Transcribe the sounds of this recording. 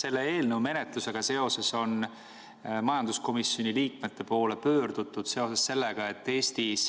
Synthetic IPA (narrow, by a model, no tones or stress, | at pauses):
se̞lːee̞ːlnəwme̞net̪luse̞ɡ̥ɑse̞o̞se̞so̞n | mɑjɑnd̪̥usko̞misjo̞nʲiliːk̚me̞t̪ːe̞po̞ːle̞pøːrd̪̥ut̪ːˑud̪̥se̞o̞sesse̞lːeɡ̥ɑe̞t̪ːe̞ːsʲt̪is